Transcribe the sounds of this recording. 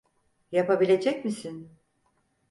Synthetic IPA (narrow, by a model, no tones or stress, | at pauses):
japabilʲe̞d͡ʒɛcmisin